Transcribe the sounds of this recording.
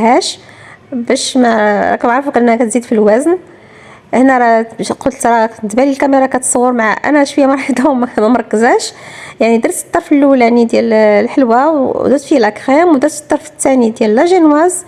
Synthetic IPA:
hæʃ | bæʃmæɾˤɑ̰kæbaʕɾfukʔnːækæt̪zid̪filwæzn | hnæɾˤɑbʃqʊd̪t̪ɾˤɑt̪bælilkæməɾˤɑkæt̪sˤɑwːəɾmaʕa̰ʔæ̰næʃwəjːæmɑɾˤħəd̪ʊmmæmɑɾˤkːəzæʃjaʕnid̪ɑɾˤsət̪ˤːɑɾˤfəlːʔuljaʕnid̪jællħəlwawd̪ɑɾt̪fijælʔækxæmwd̪ɑɾsə̥t̪ˤːɑɾfət̪ːænid̪jællːæʒinwæz

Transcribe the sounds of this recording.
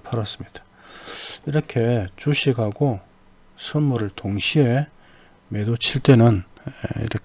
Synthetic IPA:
pʰaɾas͈ɯmɲid̥ḁ | iɾʌkʰe̞t͡ɕuɕʰiɡɦaɡo | sʰɯnmuɾɯɭtoŋɕʰie | me̞dot͡ɕʰiɭt͈e̞nɯn̰ḭɾʌ

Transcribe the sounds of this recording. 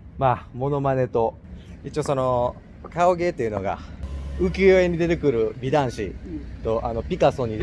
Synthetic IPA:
mamo̞no̞mane̞t̪o̞ | it͡ɕio̞so̞no̞ | kaoɡe̞ːt̪ːeiɯ̟no̞̰ɡa̰ɯ̟kʲɨːjoeɲ̟id̪e̞t̪e̞kɯ̟ɾɯ̟bʲid̪ãɰ̃ɕḭt̪o̞ʔano̞pʲikaso̞ɲ̟i

